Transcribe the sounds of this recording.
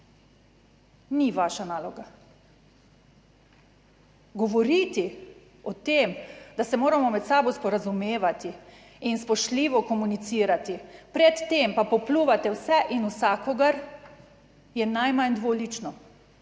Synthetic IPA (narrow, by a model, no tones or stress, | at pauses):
niʋaːʃanaːlɔɡa | ɡɔʋɔɾiːt̪i | ɔt̪eːmd̪asɛmoːɾamɔmɛt̪saːbɔwspɔɾazumeːʋat̪iː | nspɔʃtliːʋɔkɔmunit̪siːɾat̪ipɾɛt̪ːempapɔpluːʋat̪ɛwsɛʔinusakɔɡaɾ | jɛnajmand̪ʋoːlit͡ʃnɔ